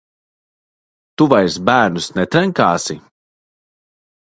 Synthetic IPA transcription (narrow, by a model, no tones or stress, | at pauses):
t̪uvajsbæːɾnusnɛt̪ɾɛŋkaːsi